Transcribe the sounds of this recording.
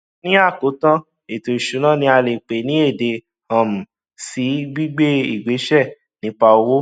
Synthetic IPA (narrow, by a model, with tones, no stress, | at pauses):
nĩ˦a˦˨ko˨˦tã˦ | e˨to˨i˨ʃu˨˦nã˦˨nĩ˧˦a˧le˨k͡pe˨˦nĩ˨˦e˦˨de˧ | ã˨m̩˨ | si˨˦bi˦ɡ͡be˦ḭ˦˨ɡ͡be˨˦ʃɛ˦˨ | nĩ˨˦k͡pa˧o˧wo˦